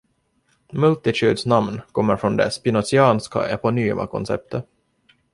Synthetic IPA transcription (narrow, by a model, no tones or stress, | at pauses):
mɵlt̪ɪt̪ʰʉːd̪snamnkʰɔmːəɾfɾɔnd̪ɛspɪnɔsɪɑːnska̰ʔɛpɔnyːmʔa̰kʰɔ̰nsɛ̰p̚t̪ʰə